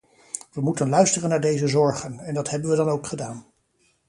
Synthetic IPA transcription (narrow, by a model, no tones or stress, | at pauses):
ʋəmutənlœɥstərənaːɹdejzəzɔɹχənɛndɑtɦɛbənʋədɑnowkχədaːn